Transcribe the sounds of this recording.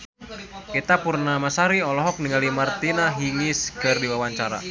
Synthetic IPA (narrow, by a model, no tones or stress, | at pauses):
kit̪apurnamasaɾiɔlɔɦɔk̚niŋalimart̪inaɦiŋɪskɨrdiwawaɲt͡ʃaɾa̰